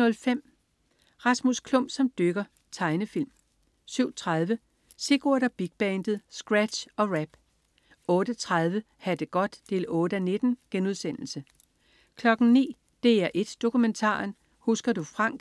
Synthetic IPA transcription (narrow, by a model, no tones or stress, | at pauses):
nɔ̽lfem̰ | ʁɑ̈smuskʰlɔ̽m̰b̥sɒ̽md̥øɡ̥ɐ | t͡sʰɑ̈ɪnəfil̰m | syʊ̰t͡sʰʁɑð̞ˠʋə | se̝ɡ̥oɐɾ̥ɐb̥iɡ̥̚b̥ɛnd̥ð̩ˠsɡ̥ʁæd̥ɕɒ̽ʁæb̥ | ɔ̽ːɾ̥ət͡sʰʁað̞ˠʋə | hæd̥əɡ̥ɒ̽d̥ːe̝̰ːlɔ̽ːɾ̥əæne̝d̥n̩ɡ̥enuð̞ˠsen̰l̩sə | kʰlɒ̽ɡ̥n̩nḭː | d̥e̝̰ːæɐʔe̝d̥ːo̝kument͡sʰɑ̰̈ːn | husɡ̥ɐd̥ufʁɑ̈ŋ̰ɡ̥